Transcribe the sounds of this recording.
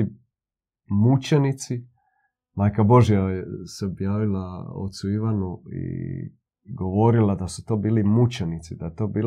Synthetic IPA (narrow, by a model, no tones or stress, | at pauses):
i | mut͡ɕenit̪si | maːjkabo̞ʒjajeseobjaːʋilao̰t̪suiʋanuḭ | ɡo̞ʋo̞ɾilad̪asu̥t̪o̞ːbiːlimut͡ɕenit̪sid̪ajet̪o̞ːbiːl